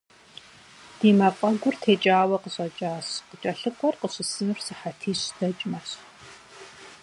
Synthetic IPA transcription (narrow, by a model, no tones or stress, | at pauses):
d̥iːmafʼɐɡʷʊrtʰeːt͡ʃʼaːwɐqəɕʼɐt͡ʃʼaːɕqət͡ʃʼɐɬɨkʷʼɔrqəɕɪsɨnrsɨħatʰiːɕdɐt͡ʃʼmɐɕ